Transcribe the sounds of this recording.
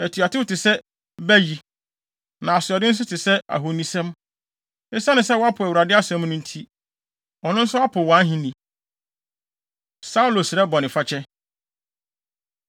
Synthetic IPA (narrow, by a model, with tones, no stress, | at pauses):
æ˨tʰi˨a˨tʰɪ˦wʊ˦tʰɪ˨sɛ˦ | bæ˦ji˨ | nã˨a˨sɪ˨ɔ˨dɪ̃˦n̩˦s̬ʊ˦tʰɪ˨sɛ˦a̰˨ɦo˨nĩ˨sɛ̃˦m | ɪ˦sa˦nɪ̃˨sɛ˦wɔ˦a˦pʰʊ˨æ˨wu˨ɾa˨dɪ˦a˦sɛ̃˦mnʊ̃˦n̩˦tʰi˦ | ɔ˨nʊ̃˦n̩˦sʊ˦a˦pʰʊ˨wɔ˨ã˦ɦĩ˦nĩ˨ | sa˦u˦lo˨sɪ˨ɾɛ˦bɔ˨nɪ̃˨fa˦t͡ɕʰɛ˦